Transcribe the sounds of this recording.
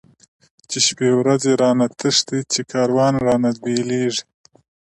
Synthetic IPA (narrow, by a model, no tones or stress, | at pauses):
t͡ʃeʃpewɾazeɾɑːnat̪əʂt̪it͡ʃekʰɑːɾwɑnɾɑːnad̪̚beleʐi̥